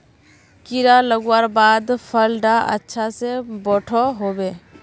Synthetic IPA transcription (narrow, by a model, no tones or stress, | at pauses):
kɪɾaləɡwaːɾbaːd̪pʰəlɖaʔə̰tːʃʰasebɔːʈʰɔɦoːbeː